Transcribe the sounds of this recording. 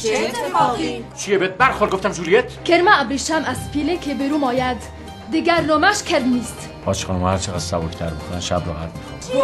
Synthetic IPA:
t͡ʃʰijebet̪̚bæɾxoɾɡoft̪æmzulijet̪ʰkʰeɾmææbɾiʃæmæspʰilekʰebeɾumɒːjæd̪ː | iɡæɾnomæʃkʰeɾmnist̪ | ɒːt͡ʃʰχɒnmɒhæɾt͡ʃʰeɣasːæbokʰʲt̪ʰæɾbixʰonænʃæbɾoɣæ̰d̪̚mixɔn

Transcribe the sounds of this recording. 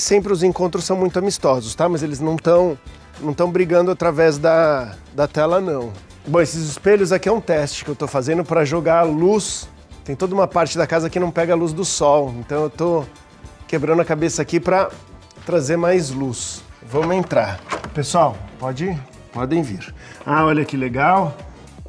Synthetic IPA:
sẽmpɾɪʊzẽŋkõnt̪ɾʊsɐ̃w̃mũj̃t̪ʊamist̪ɔzʊst̪amɐzelɪznɐ̃w̃t̪ɐ̃w̃ | nɐ̃w̃t̪ɐ̃w̃bɾiɡɐ̃nd̪ʊat̪ɾavɛzd̪ɐd̪ɐt̪ɛlɐnɐ̃w̃ | bõesɪzɪspeʎʊzakiɛũt̪ɛst͡ʃɪ̥kɪewt̪owfazẽnd̪ʊpɾɐʒoɡaɾlus | t̪ẽj̃t̪od̪ɐũmɐpaɾt͡ʃɪd̪ɐkazɐkɪnɐ̃w̃pɛɡɐaluzd̪ʊsɔwẽnt̪ɐ̃w̃ewt̪o | kebɾɐ̃nd̪ɐkabesɐakipɾɐ | t̪ɾazeɾmajzlusvɐ̃mʊẽnt̪ɾapesuawpɔd͡ʒɪ | pɔd̪ẽj̃viɾaɔʎɐkɪleɡaw

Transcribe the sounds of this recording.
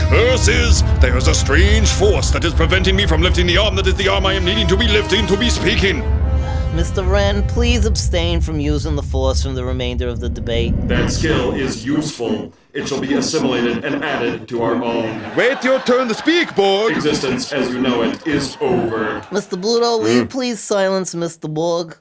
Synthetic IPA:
vɜ˞sɪzðə˞ɨzəstɹ̥ẽɪ̃n̥ʒ̥fɔɹsðɨɾɨz̥pʰɹ̥ɨvɛ̃ntɪ̃ŋmifɹʌ̃mlɪftɪ̃ŋðiɑɹmðɨɾɨzðiɑɹmaɪɨ̃mniɾɪ̃ŋtʰɨbilɪftɪ̃ŋtʰɨbispikɪ̃ŋ | mɪstə˞ɹɛ̃npʰl̥izəb̥stẽɪ̃nfɹʌ̃mjʉzɪ̃ŋðəfɔɹsfɹʌ̃mðɨɹɨmẽɪ̃ndə˞ʌvðɨdɨbeɪt̚ðɨtskɪlˠɪzjʉsfl̩ˠ | ɨtʃəlˠbiɨsɪ̃məleɪɾɨɾɨ̃næɾɪd̚tʰəaʊə˞ʔõʊ̃nweɪtə˞tʰɜ̃˞nðɨspikb̥ɔɹɡɡzɪstɨ̃nsɨzjɨnoʊɪɾɪzoʊvə˞mɪstə˞bluɾoʊli̥pʰl̥iz̥saɪlˠə̃nsmɪstə˞bɔɡ

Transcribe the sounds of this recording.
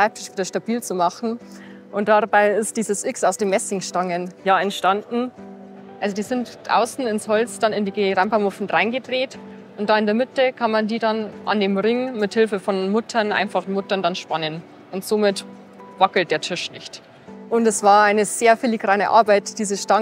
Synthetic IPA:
ʃʁ̥aɪp̚tʰɪ̥ʃv̥iːdɐʃtabiːlt͡sumaχn̩ | ʔʊnt̚d̥abaɪɪstd̥iːzəsʔɪksaʊsd̥eːmːɛsɪŋʃtaŋənjaːɛntʃtandn̩ | ʔalzodiːzɪntʔa̰ʊsn̩ɪnshɔlt͡sd̥anɪndiːɡəʁampɐmʊfn̩ʁaɪnɡədʁeːt | ʔʊntd̥aːɪndeɐmɪtəkʰanmandiːdanʔa̰ndeːmʁɪŋmɪthɪlfəfɔnmʏtʰɐnʔa̰ɪnfaχnmʏtɐndanʃpanən | ʔʊntz̥oːmɪt | vakl̩t̚d̥eːɐtʰɪʃnɪçt | ʔʊntɛsv̥aːɐaɪnəz̥eːɐfiliɡʁaːnə̰ʔa̰ɐbaɪtd̥iːzəʃta

